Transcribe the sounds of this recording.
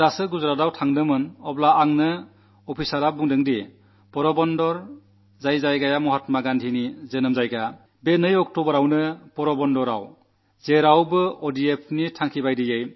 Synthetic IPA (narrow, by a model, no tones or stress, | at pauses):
ɾasɯɡuzɾadawtʰaŋdɯmɯnɔblaːŋnɯ | ɔpʰisaɾabuŋdɯŋdi | pɔɾɔbɔndɔɾ | zajzajɡajamɔɦatmaɡandʰinizenɯmzajɡa | benɯjɔk̚tɔbɔɾawnɯbɔɾɔbɔndɔɾaw | zeɾawbɯɔdiepʰnitʰaŋkʰibajdijej